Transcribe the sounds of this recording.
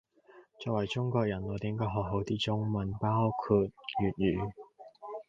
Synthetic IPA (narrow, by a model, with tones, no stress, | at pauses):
t͡sɔː˨k̚wɐ˨˩jt͡sʊ˥ŋkɔː˧k̚jɐ˨˩nlːt̪iː˨˥˦ŋkɔː˧˥ɦɔː˨k̚ɦo˨˥wt͡siː˥t͡sʊ˥ŋmɐ˨˥npaː˥wkʰuː˨˧t̚jyː˨˩t̚jyː˨˩